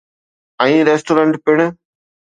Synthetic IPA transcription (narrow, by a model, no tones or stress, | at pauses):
ɐĩːɾeːsʈoːɾɐɳʈpɪɳ